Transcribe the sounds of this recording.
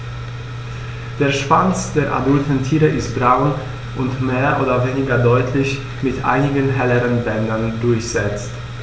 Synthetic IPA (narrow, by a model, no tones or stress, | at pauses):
d̥eːɐʃv̥ant͡sd̥eːɐʔa̰dʊltn̩tʰiːʁəʔɪstb̥ʁaʊn | ʔʊntmeːɐʔoːdɐveːnɪɡɐdɔʏtʰlɪç | mɪtʔa̰ɪnɪɡənɦɛləʁənbɛndɐndʊɐçz̥ɛt͡st